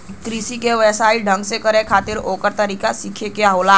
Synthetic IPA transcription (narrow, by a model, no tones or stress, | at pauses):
t̪ɾiːsikeʋəsaːiɖʱə̃ŋɡsekəɾẽkʰaːt̪ɪɾoːkəɾt̪əɾiːkasikʰekejaɦoːlaː